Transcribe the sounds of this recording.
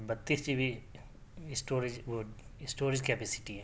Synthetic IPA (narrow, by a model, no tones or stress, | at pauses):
bɐt̪ːiːsd͡ʒibʱi | ɪsʈoːɾɪd͡ʒʋoɪsʈoːɾɪd͡ʒkeːpeːsɪ̥ʈiɦɛ̃ː